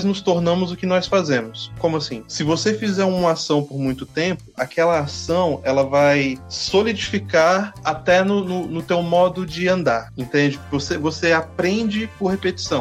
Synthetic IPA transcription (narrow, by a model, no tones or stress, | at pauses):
znʊst̪oɾnɐ̃mʊzʊkɪnɔsfazẽmʊskõmʊasĩsɪvosefizɛɾũmɐasɐ̃w̃poɾmũj̃t̪ʊt̪ẽmpʊʔakɛlɐasɐ̃w̃ɛlɐvajsolid͡ʒifikaɾat̪ɛnʊnʊnʊt̪ewmɔd̪ʊd͡ʒɪɐ̃nd̪aɾẽnt̪ẽnd͡ʒɪvosevoseapɾẽnd͡ʒɪpʊɾhepet͡ʃi̥sɐ̃w̃